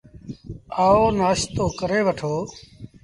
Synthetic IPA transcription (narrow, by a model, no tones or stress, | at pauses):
aːoːnaːst̪oːkəɾeːʋəʈʰoː